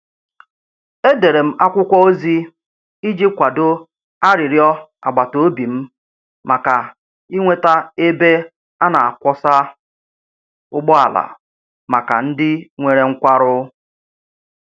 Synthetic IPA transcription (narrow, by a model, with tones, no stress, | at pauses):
e˦de˨ɾe˨m̩˦a˦kʷʊ˦kʷɔ˦o˦zi˦ | i˦d͡ʒi˦kʷa˨do˦ | a˦ɾɪ˨ɾjɔ˦a˨ɡ͡ba˨to˨˦bi˨m̩˦ | ma˨ka˨ | i˦ŋʷe˦ta˦e˦be˦ | a˦na˨a˨kʷɔ˦sa˦ | ʊ˦ɡ͡bɔ˦a̰˨la̰˨ | ma˨ka̰˨n̩˦dɪ˦ŋʷe˨ɾe˦ŋ̩˦kʷa˦ɾʊ˦